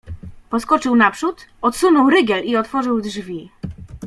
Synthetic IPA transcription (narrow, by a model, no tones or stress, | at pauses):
pɔskɔt͡ʂɘwnapʂut̪ɔt̪sunɔwɾɘɡɛliɔt̪fɔʐɘwdʐvʲi